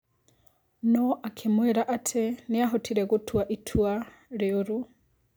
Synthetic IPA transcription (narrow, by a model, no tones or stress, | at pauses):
noʔakʰemweɾaʔatʰeniaɦotʰiɾeɣutʰwaʔitʰwa | ɾeoɾu